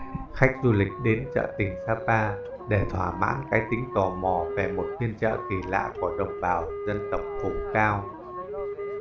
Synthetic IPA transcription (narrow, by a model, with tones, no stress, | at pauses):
xa˦˥k̟̚zu˧lï˨˩k̟̚ɗe˨˦nt͡ɕə̰ː˧˨t̪ï˨˩ŋ̟saː˧˥ɓaː˧ | ɗe˧˩t̪ʰwaː˧˩ma̰ː˧˥nkaː˨˦jt̪ï˨˦ŋ̟t̪ɔ˨˩mɔ˨˩ve˨˩mo˨˩t̚t̪ʰi˧ənt͡ɕə̰ː˧˨ki˨˩la̰ː˧˨ku˧˩əɗə˨˩wŋ͡mɓaː˨˩wzə˧nt̪ə˨˩wk͡p̚fʊ˨˩ŋ͡mkaː˧w